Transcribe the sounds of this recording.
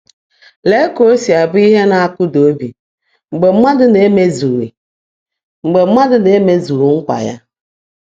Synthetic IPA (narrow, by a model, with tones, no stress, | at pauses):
le˦ko˨˦si˨a˨bʊ˦i˦ɦe˦na˨a˦˨kʊ˦do˦bi˨ | ŋ͡m̩˨ɡ͡be˨m̩˦ma˦dʊ˦ne˨˦me˦zu˨ɾḭ˨ | ŋ͡m̩˨ɡ͡be˨˦ma˦dʊ˦ne˨˦me˦zu˨ɾu˨ŋ̩˦kʷa̰˨ja̰˦